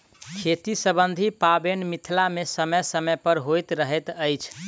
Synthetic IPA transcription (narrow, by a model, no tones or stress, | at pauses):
kʰet̪isəbənd̪ʱipabenmit̪ʰlamesəməjsəməjpəɾɦojt̪ɾəɦɛt̪əjt͡ʃʰ